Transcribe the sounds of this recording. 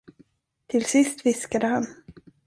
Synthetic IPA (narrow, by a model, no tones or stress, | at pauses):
t̪ʰɪlsɪst̪vɪskad̪əhan